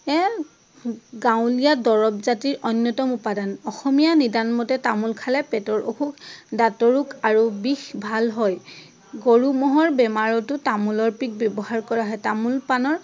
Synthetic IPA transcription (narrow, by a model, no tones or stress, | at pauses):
ɛ | ɡaw̃lijadɔɹɔpzatiɹɔnjɔtɔmupadanɔxɔmijanidanmɔtɛtamulkʰalɛpɛtɔɹʔo̰kʰukdatɔɹukaɹubixbʱalɦɔj | ɡoɹumɔɦɔɹbɛmaɹɔtʊtamulɔɹpik̚bjɔbɔhaɹkɔɹaɦɔjtamulpanɔɹ